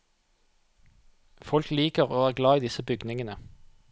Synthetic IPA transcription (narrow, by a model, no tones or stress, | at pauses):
fɔlkliːkəʁoːæːʁɡlɑːiːd̪ɪsəbʏɡnɪŋənə